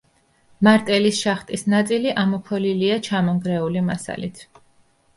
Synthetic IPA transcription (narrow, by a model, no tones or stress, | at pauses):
maɾt̪ʼɛlisʃaχt̪ʼisnat̪sʼiliʔamɔpʰɔliliat͡ʃʰamɔŋɡɾɛulimasa̰lḭt̪ʰ